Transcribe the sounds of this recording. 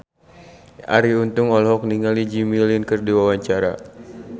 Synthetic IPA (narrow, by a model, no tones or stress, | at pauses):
ʔa̰ɾiunt̪ʊŋɔlɦɔk̚niŋalid͡ʒimilinkɨrdiwawaɲt͡ʃaɾa̰